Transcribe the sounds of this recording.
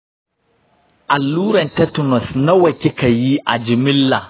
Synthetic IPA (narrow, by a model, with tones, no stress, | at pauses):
ʔa˨lːuː˦ɾɐ˨ntɛ˦tʊ˨nɔ˨snɐ˦wɐ˨kʲɪ˦ka˨ji˦ʔa̰˨d͡ʒɪ˨mɪ˦lːa˨